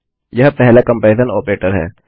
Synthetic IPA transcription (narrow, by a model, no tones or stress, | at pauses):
jɐɦpɛɦlakɐ̃mpaːzənoːpɾeːʈəɾɦɛ̰ː